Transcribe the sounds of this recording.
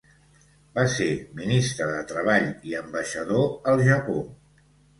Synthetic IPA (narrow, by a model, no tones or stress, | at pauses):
baseminist̪ɾəðət̪ɾəβ̞aʎiəmbəʃəðoəlˠʒəpo